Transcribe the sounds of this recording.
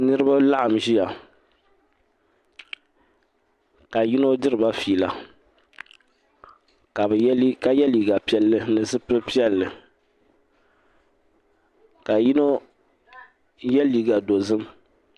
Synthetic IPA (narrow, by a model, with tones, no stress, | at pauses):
nɨ˦ɾɨ˦ba˦la˦ʔa˨mʒi˦ja˨ | ka˨ji˦no˦dɨ˦ɾɨ˨ba˦fiː˨la˨ | ka˨bka˨jɛ˦liː˨ɡa˨pi˦ɛ˦lːɨ˦nɨ˨zɨ˦pɨ˦pi˦ɛ˦lːɨ˨ | ka˨ji˦no˦ | jɛ˦liː˨ɡa˨do˨zɨ˦m